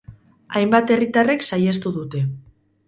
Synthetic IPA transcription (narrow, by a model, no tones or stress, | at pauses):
ajmbat̪e̞rit̪are̞ksajest̪uðut̪e̞